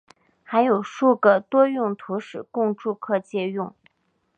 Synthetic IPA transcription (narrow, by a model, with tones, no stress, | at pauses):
xa˧˥ɪjo˨˩ʊʂu˥˩ɡə˩t̪wɔ˥jʊ˥˩ŋt̪ʰu˧˥ʂɻ̩˨˩kʊ˥˧ŋʈ͡ʂu˥˧kʰɤ˥˧t͡ɕjɛ˥˧jʊ˥˩ŋ